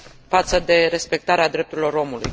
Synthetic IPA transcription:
fat̪səd̪e̞ɾe̞spe̞k̚t̪aɾead̪ɾe̞p̚t̪uɾilo̞ɾo̞muluj

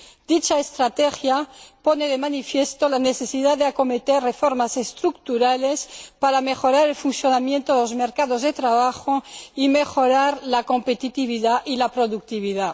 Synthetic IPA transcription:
d̪̥it͡ʃaest̪ɾat̪exjapo̞neðemanifjest̪olane̞θesiðaðeako̞met̪errefo̞ɾmase̞st̪ɾukt̪uɾale̞spaɾame̞xo̞ɾaɾe̞lfunθjonamjẽnt̪oðelozmeɾkaðozðe̞t̪ɾaβ̞axoime̞xo̞ɾaɾlako̞mpet̪it̪iβiðaʔilapɾo̞ðuk̚t̪iβ̞iða

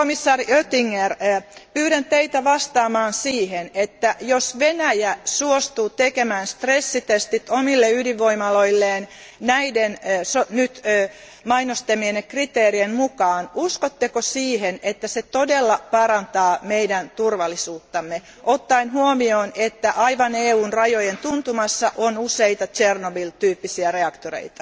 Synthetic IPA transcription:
komisːɑːriøt̪iŋːerpyːɾentt̪eit̪æʋɑst̪ɑːmɑːnsiːhenet̪ːæjosʋenæjæsuost̪uːt̪ekemæːnst̪resːit̪est̪it̪omilːeyhdiʋʋoimɑloilːeːn | næidensonyt̪ː | mɑinost̪emienːekrit̪eːrienmukɑːnuskot̪ːekosiːhenet̪ːæset̪odelːɑpɑɾɑnt̪ɑːmeidænt̪urʋɑlːisuːt̪ːɑmːe | ʔot̪ːɑinhuomioːnet̪ːæʔɑiʋɑneːuːnrɑjojent̪unt̪umɑsːɑʔonuseit̪ɑt͡ʃernobilt̪yːpːisiæreɑkt̪orḛit̪ɑ̥

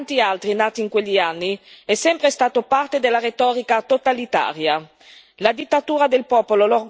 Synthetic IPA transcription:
nt̪ialt̪ɾinaːt̪iːŋkweʎːianːiɛsːɛmpɾest̪aːt̪opart̪ed̪elːaɾet̪ɔːɾikat̪ot̪alit̪a̰ːɾja | lad̪it̪ːat̪uːɾad̪elpɔːpololor

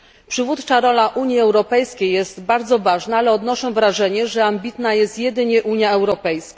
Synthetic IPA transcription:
pʂɘvut̪t͡ʂaɾɔlaʔuɲjiɛwɾɔpɛjskʲejːɛst̪baɾd̪zɔvaʐnaalɛɔd̪nɔʂɛ̃w̃vɾaʐɛɲɛʐɛambʲit̪najɛst̪jɛd̪ɘɲɛʔuɲjaɛwɾɔpɛjska

